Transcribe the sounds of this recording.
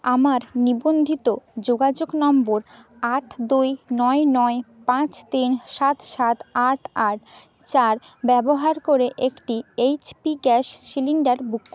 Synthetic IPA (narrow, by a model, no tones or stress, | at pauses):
amaɾnibond̪ʱit̪od͡ʑoɡad͡ʑoɡnɔmboɾ | aʈʰd̪ujnɔenɔepãt͡ɕt̪inʃat̪ʃat̪aʈʰaʈ̚ | t͡ɕaɾ | bɛboɦaɾkoɾeʔekʈiejt͡ɕpiɡɛʃːiliɳɖaɾbukːo